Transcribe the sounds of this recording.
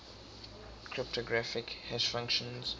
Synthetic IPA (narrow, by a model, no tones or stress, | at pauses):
kʰɹɪp̚tʰɔɡɹafɪkhɛz̥fãŋkʃə̃nz̥